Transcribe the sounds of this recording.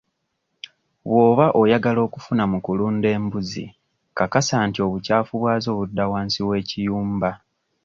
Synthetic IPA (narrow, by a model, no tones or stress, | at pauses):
βwo̞ːβaʔojaɡalo̞ːkufunamukuluːnde̞ːmbuzḭ | kakasaːntio̞βucaːfuβwaːzo̞ːβudːawaːnsiwe̞ːcijuːmba